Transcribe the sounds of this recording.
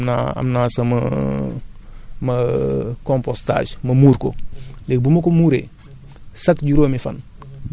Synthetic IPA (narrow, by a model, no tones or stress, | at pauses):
na̰ɐ̰mnaːsɐmɐ̰ | mɐkõmposta̰ːʃmɐmuːɾko̰lɛk̚bumɐkomuɾḛ | sɐkɟuɾoːmifɐ̰n